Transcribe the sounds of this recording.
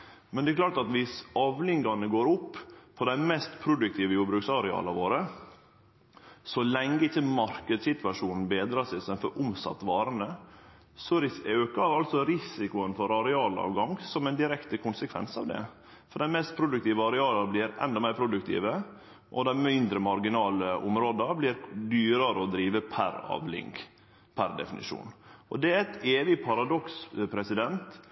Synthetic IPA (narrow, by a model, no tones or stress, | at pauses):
mɛnd̪ɛklɑːʈɑt̪ʋɪsɑʋlɪŋɡɑnəɡoːɾʊpːpʰɔd̪æɪmɛst̪pʰɾʊd̪ʉk̚t̪ʰiːʋəjuːɾbɾʉːksɑɾɛɑ̰ːlɑʋoːɾə | sɔlɛŋːəɪçːəmɑɾkəd̪sɪt̪ʋɑʂuːnn̩beːd̪ɾɑːsɪsɛnfɔɾʔʊmsɑ̰t̪ːʋɑːɾənə | sɔɾɪsøːkəɑɾɑlt̪sɔɾɪsɪkʊənfɔɾɑɾɛɑːlɑ̰ːʋɡɑŋsɔmɛɪnd̪ɪɾɛkt̪əkʰʊnsəkʰʋɛ̰nsɑ̰ʋd̪ɛ̰ | fɔɖ̪ɛnmɛst̪̚pʰɾʊd̪ʉkt̪iːʋəɑɾɛɑːlɑɾblɪɾɛ̰nd̪ɔmæɪɾpʰɾʊd̪ʉkt̪ʰḭːʋə | ʔɔd̪æɪmɪnd̪ɾəmɑɾɡɪnɑːləʔʊ̰mɾoːd̪ɑblɪːɾd̪yːɾɑɾəɔd̪ɾiːʋəpʰæ̰ɾɑ̰ːʋlɪ̰ŋɡ | pʰæɾd̪ɛ̰fɪnɪ̰ʂṵːnʔɔd̪ɛæɾɛt̪eːʋɪpʰɑɾɑd̪ɔkspʰɾɛsɪd̪ɛnt̪